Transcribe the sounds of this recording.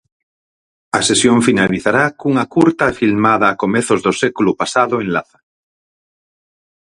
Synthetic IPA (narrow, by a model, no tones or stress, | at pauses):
asesjoɱfinaliθaɾakuŋakuɾt̪afilmaðaːkomeθozðosekulupasaðoẽnlaθḁ